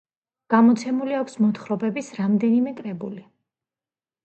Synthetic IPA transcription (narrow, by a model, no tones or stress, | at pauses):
ɡ̥amɔt̪sʰɛmuliakʰsmɔt̪χɾɔbɛbisɾamd̪ɛnimɛkʼɾɛbuli